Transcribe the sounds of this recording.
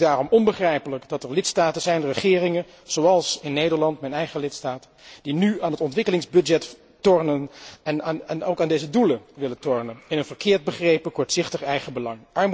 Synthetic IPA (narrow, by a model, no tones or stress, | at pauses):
daːrɔmɔnbəχrɛjpələkdɑtɛɹlɪtstaːtənzɛjnrəχɪːrɪŋən | z̥owɑlˠsɪnːejdəɹlɑntmɛnɛjχəlɪtstaːt | d̥inyaːnɦətɔntʋɪkəlɪŋzbɵdɛt | tɔɹnənɛnnowkaːndejzəduləʋɪlətɔɹnənɪnənv̥əɹkɪːɹd̚bəχrejpəkɔɹtsɪχtəχɛjχəbəlɑŋʔɑɹm